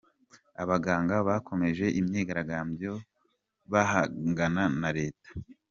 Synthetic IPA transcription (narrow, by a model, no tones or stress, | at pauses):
aβaɡaːŋɡaβako̞me̞ʒe̞ʔimɲeːɡaɾaɡaːmbjo̞ | βahaɡananaɾe̞ːtḁ